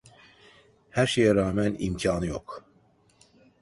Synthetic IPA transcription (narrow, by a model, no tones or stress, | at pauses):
hæɾʃejɛɾaːmænḭmcʰɑːnɯjok